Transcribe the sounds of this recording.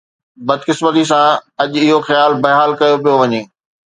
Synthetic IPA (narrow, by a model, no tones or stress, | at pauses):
bɐd̪kɪsmət̪̬is̬ãɐʄɪɦoxjaːlbɐɦaːlkɐjop̬ijoʋɐɲeː